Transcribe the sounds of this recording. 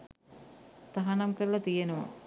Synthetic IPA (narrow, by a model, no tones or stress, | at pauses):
t̪aɦanɐmkəɾlɐt̪ijenəʋa̰